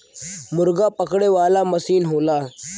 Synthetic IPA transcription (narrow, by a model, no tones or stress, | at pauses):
mʊɾɡapəkɽeʋaːlaməsiːnɦoːlaː